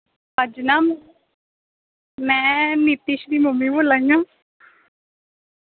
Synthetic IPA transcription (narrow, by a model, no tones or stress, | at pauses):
əd͡ʒnaːm | mɛ̃ːnit̪iʃd̪iːmʊmːĩːboːlaːĩjãː